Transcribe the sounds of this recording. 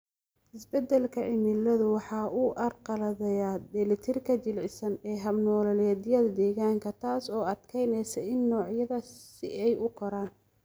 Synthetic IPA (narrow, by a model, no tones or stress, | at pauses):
ɪsbɛd̪ːɛlkʰɐʕɪmɪlɐðʊwɑħɑːuːʔɐrqɑlɐðɛjaːd̪ɛlɪt̪ʰɪrkʰɐt͡ʃɪlʕɪsɐnɛːɦɐbnɔːlɐlɛːd̪ɪjɐðɐd̪ɛːɣaːŋkʰɐt̪ʰaːsɔːɐd̪kʰɛjnɛsɐɪnːɔːʕjɐðɐsɪ̰ʔɛjʊkʰɔɾaːn